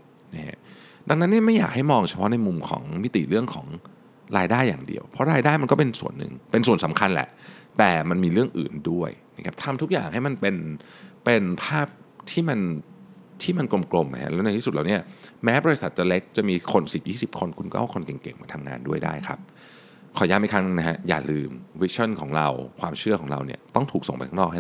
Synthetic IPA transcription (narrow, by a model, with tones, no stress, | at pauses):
nɛː˩ | da˧ŋna˦˥nːi˥˩ɐma˥˩jaː˨˩k̚ha˥˩jmɔː˧ŋt͡ɕʰa˧pʰɔ˦˥na˧jmu˧mkʰɔ̰ː˩˦ŋmi˦˥t̪ḭ˨˩ɾɯ˥˩əŋkʰɔː˩˦ŋ | ɾaː˧jdaː˥˩jːaː˨˩ŋdḭ˧əwpʰɾɔ˦˥ɾaː˧jdaː˥˩jma˧nkɔː˥˩pe˧nsṵ˨˩ənːɯ̰˨˩ŋpe˧nsu˨˩ənsa˩˦mkʰa˧nlɛ̰˨˩ʔt̪ɛː˨˩ma˧nmiː˧ɾɯ˥˩əŋʔɯ̰ː˨˩ndu˥˩əjna˦˥˩kʰa˦˥p̚t̪ʰa˧mt̪ʰu˦˥k̚ja̰ː˨˩ŋha˥˩jma˧npe˧n | pe˧npʰaː˥˩p̚t̪ʰiː˥˩ma˧n | t̪ʰiː˥˩ma˧nklo˧mklo˧mːa˨˩hʰa̰˦˥lɛː˦˥na˧˩t̪ʰiː˥su˨˩laː˨˩ni˦˥ɐmɛː˦˥bɔː˧i˧˥sa˨˩t̪̚t͡ɕa˨˩le˦˥k̚t͡ɕa˨˩miː˧kʰo˧nsi˨˩p̚jiː˥˩si˨˩p̚kʰo˧nkʰu˧nkɔ˥ʔkʰo˧nke˨˩ŋke˨˩ŋma̰ː˧˩t̪ʰa˧mŋa̰ː˧ndu˥˩əjda̰ː˥˩jkʰa̰˦˥p̚ | kʰɔː˨˩˦jaː˧˩ma˥˩kʰa˦˥n˧na˦˥ɦʰa˦˥ja̰ː˨˩lɯː˧mwi˦˥t͡ɕʰɔ˥˩nkʰɔ̰ː˩˦ŋɾa˧wkʰwaː˧mt͡ɕʰɯ˥˩ɐkʰɔː˩˦ŋɾa̰˧wnḭ˥˩ɐt̪ɔ˥˩ŋt̪ʰuː˨˩k̚o˨˩ŋpa˧t̪ʰa˥nɔː˥˩ha˥˩